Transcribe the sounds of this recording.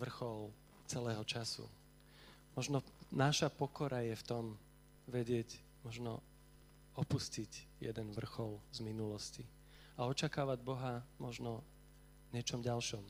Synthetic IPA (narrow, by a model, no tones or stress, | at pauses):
ʋr̩xɔl | t͡sɛlɛːɦɔt͡ʃasṵ | mɔʒnɔnaʃapɔkɔɾajɛft̪ɔm | ʋɛɟɪɛɟ | mɔʒnɔ̰ | ɔpusciɟjɛ̰d̪ɛnʋr̩xɔlzminulɔsci | aɔt͡ʃakaːʋaɟbɔɦamɔʒnɔ | ɲɛt͡ʃɔmɟalʃɔm